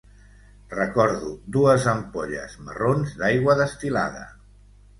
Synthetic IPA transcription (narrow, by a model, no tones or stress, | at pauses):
rəkɔɾðud̪uəzəmpoʎə̰zmə̰ronzd̪ajɣwəðəst̪ila̰ðə̰